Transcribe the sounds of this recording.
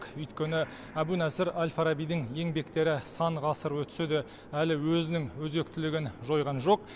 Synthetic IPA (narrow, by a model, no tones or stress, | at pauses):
qʏjt̪kʲe̞nɪ | æbunæsɪɾalʲfɑɾɑbijd̪ɪŋje̞ŋbe̞kt̪e̞ɾɪsɑɴʁɑsəɾwɵt̪ʏ̥sed̪ɪ | ælɪwɵzɪnɪŋwɵze̞k̚t̪ɪlɪɡʲɪnʒo̞jʁɑnʒo̞q